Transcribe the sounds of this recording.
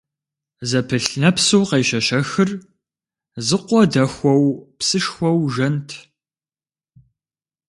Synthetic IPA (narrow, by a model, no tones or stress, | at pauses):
zɐpʰɨɬnɐpsuwqejʃɐʃɐxɨr | zɨqʷɔdɐxʷɔwpsɨʃxʷɔwʒɐntʰ